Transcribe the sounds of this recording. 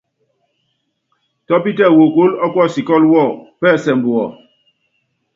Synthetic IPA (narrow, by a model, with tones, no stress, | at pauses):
tɔ˦pi˦tɛ˦˨wo˨ko˦lɔ˦kwɔ˦˨si˨kɔ˦lwɔ˦˨pɛ˦˨sɛ˨m̩˨bu˨ɔ˨